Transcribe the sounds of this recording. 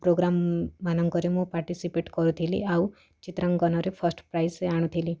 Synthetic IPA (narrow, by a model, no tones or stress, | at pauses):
pɾoɡɾamːanɔŋkɔɾimũpaɾʈisipeʈkɔɾũt̪ʰilḭau | t͡ʃit̪ɾəŋɡɔnɔɾepʰəsʈpɾajseaɽ̃ũt̪ʰili